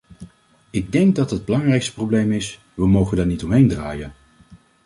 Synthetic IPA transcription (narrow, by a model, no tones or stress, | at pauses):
ɪɡ̚dɛŋɡ̚dɑtɦəd̚bəlɑŋrɛjkstə̥prowblejmɪs | ʋəmowχəndaːɹnitɔmɦejndraːjən